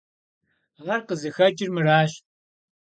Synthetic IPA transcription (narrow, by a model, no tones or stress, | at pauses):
alɐrqəzɨxɐd͡ʒʼɪrmɨraːɕ